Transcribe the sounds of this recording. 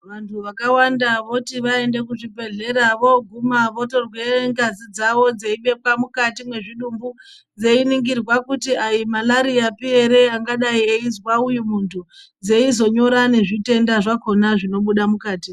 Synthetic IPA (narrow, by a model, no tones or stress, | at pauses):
ʋantʰuʋakawandaʋo̞tiʋae̞nde̞kuʐibʱe̞ɮe̞ɾaʋo̞ɡʱumaʋo̞to̞rwe̞ŋɡazid͡zaʋo̞d͡ze̞iɓe̞kwamukatimwe̞ʐiɗumbu | d͡ze̞iniŋɡirwakutiaimalaɾiapie̞ɾe̞aŋɡaɗaieizwaujumuntʰud͡zeizo̞ɲo̞ɾaneʐite̞ndaʐako̞naʐino̞ɓuɗamukaːti